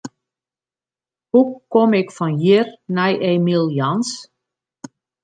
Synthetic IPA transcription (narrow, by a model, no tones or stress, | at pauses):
hukɔmɪkfɔnjirnɛjʔeːmilˠjɔns